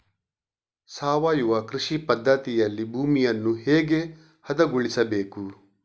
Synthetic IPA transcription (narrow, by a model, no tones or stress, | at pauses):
saːʋaːjuʋɐkɾiʃipɐd̪ʱːɐt̪ijɐlːibʱuːmijɐnːuheːɡe̞ | hɐd̪ɐɡuɭisɐbeːku